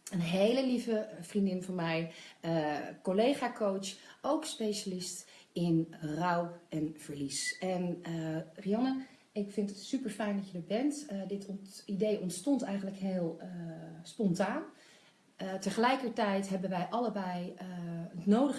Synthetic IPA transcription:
ənɦejləlivəv̥rindɪnvɑnmɛjəkolejχaːkowowkspejʃalɪstɪnrɑwɛnv̥əɹlisɛn | riɑnə | ɪkfɪntətsypəɹfɛjndɑtjədəɹbɛntdɪtidejʔɔntstɔntɛjχənləkɦeːlˠ | spɔntaːn | təχəlɛjkəɹtɛjtɦɛbənʋɛjʔɑləbɛj | ətnowdə

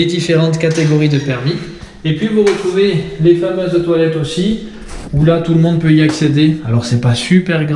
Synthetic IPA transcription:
ed̪ifeʁɑ̃t̪kat̪eɡɔʁid̪əpɛʁmi | epɥivuʁət̪χuvelefamøzt̪walɛt̪osi | ulat̪uləmɔ̃d̪̚pøiaksed̪ealɔʁsɛpasypɛʁɡʁ

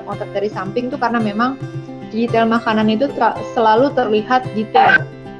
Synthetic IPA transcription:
kɔnt̪at̪̚daɾisampɪŋt̪ukaɾənamemaŋ | did͡ʒit̪ɛlmakananit̪usəlalut̪ərliɦat̪̚dit̪ɛl

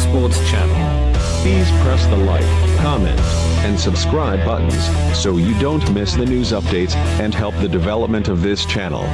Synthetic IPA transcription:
spɔɹtz̥t͡ʃʰæ̰nl̩ˠ | pʰiz̥pʰɹ̥ɛsðəlaɪtkʰɑmɛ̰̃nt | ɨ̃nsəbskɹaɪbʌ̰ʔn̩z̥soʊjɨdõʊ̃nʔmɪsðɨnʉzʌp̚d̥eɪtsɨ̃nɦɛlˠp̚ðɨdɨvɛlˠəp̚mɨ̃ntʌvðɪst͡ʃʰænl̩ˠ

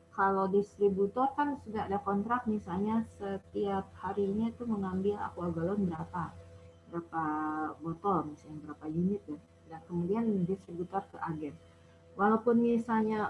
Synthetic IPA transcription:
kalodist̪ɾibut̪ɔrkansudaːdakɔnt̪ɾak̪̚misalɲasət̪iap̚haɾiːɲat̪uməŋambɪla̰kuaɡalonbəɾapabəɾapabɔt̪ɔlmisanbəɾapajunɪt̪̚ja | dankəmudiandist̪ɾibut̪ɔrkəʔaɡɛm | walawpʊnmisalɲa

